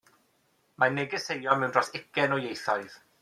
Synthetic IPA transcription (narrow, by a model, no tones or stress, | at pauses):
manɛɡɪsejɔmɛwndrɔsɪkʰɛnɔjejɬɔɨð̥